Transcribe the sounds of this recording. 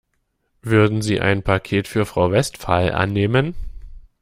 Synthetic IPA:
vʏɐdn̩ziːʔa̰ɪnpʰakʰeːtfyːɐfʁ̥aʊvɛstfalʔa̰nːeːmən

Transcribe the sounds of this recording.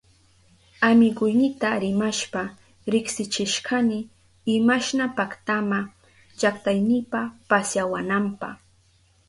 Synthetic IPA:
amɪɢʊjnɪt̪aɾɪmaʃpa | ɾɪksɪt͡ʃɪʃkamɪː | ɪmaʃnapakt̪ama | t͡ʃakt̪ajnɪpapasjawanampɑχ

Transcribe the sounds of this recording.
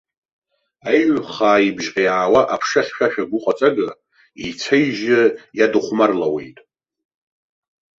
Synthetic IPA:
ajʕʷχaːibʒqʲʼijaːwaʔapʰʂaχʲʃᶣaʃᶣaɡʷʊqʼat͡sʼaɡɨ | it͡sʰejʒɪjadɨχʷmarlawe̞̰jtʼ

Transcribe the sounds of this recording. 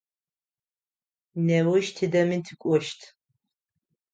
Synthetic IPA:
nɛwʊʃtʰidɐmintʰɨkʷʼɔʃtʰ

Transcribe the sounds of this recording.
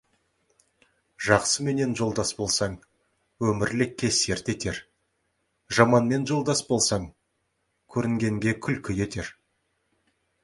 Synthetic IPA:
ʒɑqsəme̞ne̞nʒo̞lˠd̪ɑsbo̞lˠsɑɴ | wɵmɪɾlɪkʲːe̞se̞ɾt̪e̞t̪e̞ɾ | ʒɑmɑnme̞nʒo̞lˠd̪ɑsbo̞lˠsɑɴ | kʲʰɵɾɪŋɡʲe̞ŋɡʲe̞kʲʰʏlkʲɪje̞t̪e̞ɾ

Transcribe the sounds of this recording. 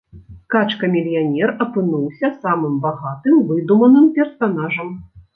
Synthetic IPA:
kat͡ʂkɐmʲilʲjanʲɛrɐpɨnuwsʲɐsamɨmbaɣat̪ɨmvɨd̪umɐnɨmpʲɛrsanaʐɐm

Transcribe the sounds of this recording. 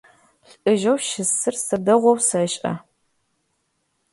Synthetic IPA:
ɬʔɨʒɐwʃɪsɨrsɐdɐʁʷɔwsɐɕʼʔɐ̰

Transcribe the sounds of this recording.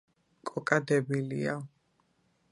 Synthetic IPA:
kʼɔkʼad̪ɛbilia

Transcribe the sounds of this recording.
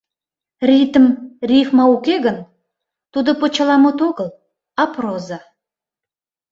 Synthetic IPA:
rit̪əmrʲifmɑukeɣən | t̪ud̪ŏpot͡ɕə̆lˠɑmut̪oɣəlˠ | ɑproza

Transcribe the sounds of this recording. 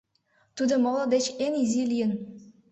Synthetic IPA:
t̪ud̪ɤ̆molˠɤ̆d̪et͡ɕenizilʲijə̆n

